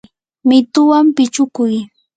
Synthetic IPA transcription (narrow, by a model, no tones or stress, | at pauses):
mɪt̪ʊwampɪt͡ʃʊkʊj